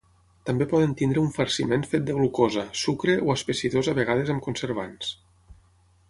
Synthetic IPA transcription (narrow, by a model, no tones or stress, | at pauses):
t̪ambepɔðent̪ind̪ɾeuɱfəɾsimenfet̪̚d̪əɣlukozəsukɾeʔoəspesiðozaβeɣ̞að̞ezəmkonseɾβ̞a̰ns